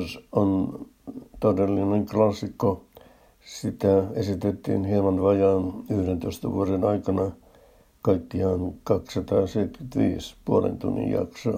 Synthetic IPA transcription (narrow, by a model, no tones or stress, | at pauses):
son | t̪odelːineŋklɑsːikːo | sit̪æesit̪et̪ːḭnhemɑnʋɑjɑːnyhdent̪oist̪ɑʋuorenɑikɑnɑ | kɑikːiɑnkɑkssɑt̪ɑːseit̪kyt̪ʋḭːspuolḛnt̪ṵnːḭjjɑ̰kso